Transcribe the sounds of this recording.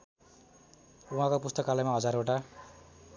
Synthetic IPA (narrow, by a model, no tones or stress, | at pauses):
uɦãkopust̪ʌkalajmaɦʌd͡zaɾoʈa